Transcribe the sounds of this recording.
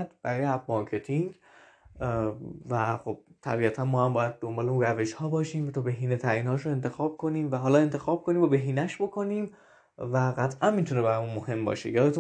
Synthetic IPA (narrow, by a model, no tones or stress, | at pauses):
t̪b̥æɾɒːjeæbmɒɾcʰe̞t̪ʰiŋɡ | væxob̥̚t̪ʰæ̰biːæt̪ʰænmɒːhæmbɒːjæd̪̚d̪o̞mbɒːleunræve̞ʃhɒːbɒːʃiːmvæt̪ʰɒːbe̞ɦiːnet̪ʰæɾiːnhɒːʃoe̞nt̪ʰe̞xɒːb̥̚kʰo̞niːmvæɦɒːlɒːe̞nt̪ʰe̞xɒːb̥̚kʰo̞niːmvɒbe̞ɦiːnæʃbo̞kʰo̞niːm | væɣæt̪ʰʔænmit̪ʰunebæɾɒmunmohe̞mbɒ̰ːʃeɒːlːt̪ʰu